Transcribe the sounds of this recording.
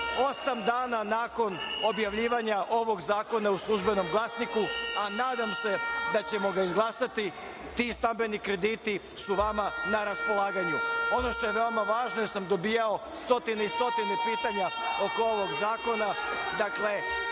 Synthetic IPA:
o̞samd̪aːnanaːko̞n | o̞bjaʋʎiːʋaɲaʔo̞ʋo̞ɡzaːko̞nauslˠuʒbe̞no̞mɡlˠasnikuanaːd̪amse̞d̪at͡ɕe̞mo̞ɡaizɡlˠaːsat̪i | t̪ist̪ambe̞nikɾe̞d̪iːt̪i | suʋamanaɾaspo̞laːɡaɲuo̞no̞ʃt̪o̞jeʋeomaʋaːʒnoesamd̪o̞biːjao̞ | st̪o̞t̪ineist̪o̞t̪inepiːt̪aɲao̞koo̞ʋo̞ɡzaːko̞nad̪akle̞

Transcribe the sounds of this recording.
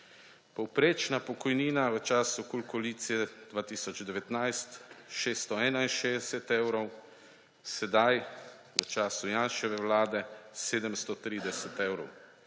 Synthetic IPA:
pɔwpɾeːt͡ʃnapɔkɔjniːnaʋət͡ʃaːsukulkɔliːt̪sijɛd̪̥ʋaːt̪iːsɔd͡ʒd̪ɛʋɛt̪najst̪ʃeːst̪ɔɛːnainʃed̪ɛsɛt̪ewɾɔw | sɛd̪aj | ʋət͡ʃaːsujaːnʃɛʋɛwlaːd̪ɛseːd̪əmst̪ɔt̪ɾiːd̪ɛsɛt̪ewɾɔw

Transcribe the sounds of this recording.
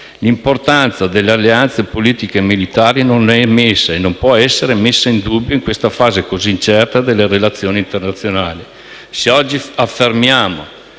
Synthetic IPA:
limport̪ant̪sad̪elːealːeant̪sepoliːt̪ikemilit̪aːɾinonɛmesːaenːompwɔɛsːeɾemesːaind̪ubːjoiŋkwest̪afaːzekoziːnt͡ʃɛrt̪ad̪elːeɾelat̪sːjoːnint̪ernat̪sːjonaːli | seɔd͡ʒːiafːermjaːmo̰

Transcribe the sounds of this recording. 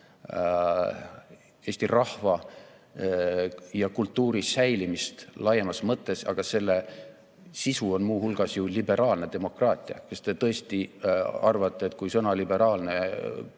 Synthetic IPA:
e̞ːst̪irɑhvɑ | jɑkult̪ːuːɾisæjlimist̪lɑjemɑsmɤt̪ːˑe̞sɑ̰ɡ̥ɑse̞lːe̞ | sisuo̞nmuːhulɡ̥ɑsjulibe̞ɾʔɑːlne̞d̪̥e̞mo̞krɑːt̪ʲˑiɑ̰kɑst̪e̞t̪ɤe̞st̪iɑrvɑt̪ˑːe̞eːt̪ːˑkujsɤnɑlibe̞ɾɑːlne̞

